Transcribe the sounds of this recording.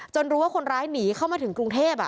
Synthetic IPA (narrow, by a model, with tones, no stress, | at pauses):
t͡ɕo˧nɾuː˦˥waː˥˩kʰo˧nɾaː˦˥jniː˩˦kʰa˥˩wmaː˧t̪ʰɯ˩˦ŋkɾu˧ŋt̪ʰeː˥˩p̚a̰˨˧˩